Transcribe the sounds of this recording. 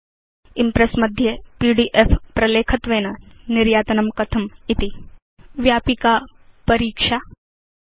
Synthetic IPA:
impɾesmɐd̪ʱjepiːɖiʔefpɾɐleːkʰɐt̪ʋeːnɐniɾjaːt̪ɐnɐmkɐt̪ʰɐmit̪i | ʋjaːpika | pɐɾiːkʂaː

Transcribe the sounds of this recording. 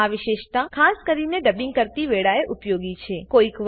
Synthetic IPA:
aʋiʃeʃt̪ãkʰaskəɾineɖəbiŋɡkəɾt̪iʋeɭaeʔupjoɡit͡ʃʰekoikʋ

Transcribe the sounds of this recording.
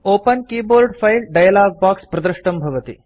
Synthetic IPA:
oːpɐnkiːboːɾɖpʰɐjlɖɐjɐlaːɡ̚baːkspɾɐd̪ɾɐʂʈɐmbʱɐʋɐt̪ḭ

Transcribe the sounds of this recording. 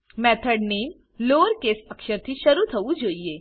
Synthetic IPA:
mɛt̪ʰəɽnem | loɾkesəkɕəɾt̪ʰiːɕəɾut̪ʰəud͡ʑojjːe

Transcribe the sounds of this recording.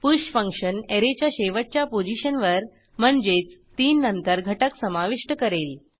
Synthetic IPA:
puɕfə̃ŋkʂəneɾet͡ɕjaɕeʋət̚t͡ɕjapod͡ʑiɕənʋəɾ | m̤əɳd͡ʑet͡st̪iːnːənt̪əɾɡʱəʈəksəmaʋiʂʈəkəɾel

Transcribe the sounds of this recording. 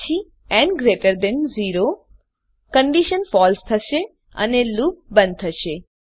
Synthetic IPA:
t͡ʃʰi | ɛnɡɾeʈəɾd̪enziɾo | kəɳɖiʃənfɔlst̪ʰəʃe | ə̰neluk̚bə̃nd̪̚t̪ʰəʃe

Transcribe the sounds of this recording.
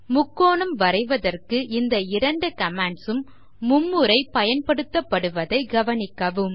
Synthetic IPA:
mʊkːoːɳɐmʋɐrɐɪʋɐðɐrkɯʔɪnd̪ɐɪɾɐɳɖɯkɐmaːɳɖsɯmː | ʊmːɯɾɐɪpɐjɐnpɐɽɯt̪ːɐpːɐɽɯʋɐðɐɪɡɐʋɐnɪkːɐʋɯm

